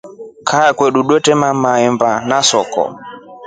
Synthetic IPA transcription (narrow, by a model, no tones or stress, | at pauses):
kʰaːkwɛɗuɗwɛtɛmamaɛmbanasɔkɔ̰